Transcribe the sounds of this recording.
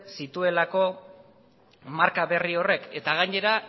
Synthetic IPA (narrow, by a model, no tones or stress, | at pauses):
sit̪ue̞lako̞ | maɾkaβe̞rio̞re̞ke̞t̪aɣ̞aɲe̞ɾa